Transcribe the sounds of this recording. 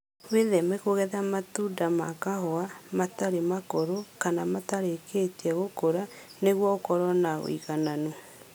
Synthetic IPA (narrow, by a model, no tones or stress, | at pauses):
weðɛmɛkoɣɛðamatudama̰kaɦɔamataɾemakoɾokanamataɾeketiɛɣokoɾaneɣwɔokɔɾɔnao̰ḭɣanano